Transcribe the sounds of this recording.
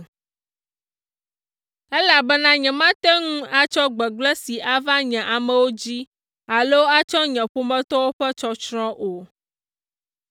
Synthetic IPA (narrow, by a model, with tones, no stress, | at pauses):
ɛ˦la˨bɛ˦nã˦ɲɛ̃˨mã˦t̪ɛ˦ŋũ˦a˦t͡ʃɔ˦ɡ͡bɛ˨ɡ͡blɛ˦si˨ʔa˨va˦ɲɛ̃˨ʔa˨mɛ̃˨wo˦d͡ʑi˦ | a˨lo˦a˦t͡ʃɔ˦ɲɛ̃˨ɸo˦mɛ̃˦t̪ɔ˦wo˦ɸɛ˦t͡ʃɔ˦t͡ʃɾɔ̃˦ʔo˨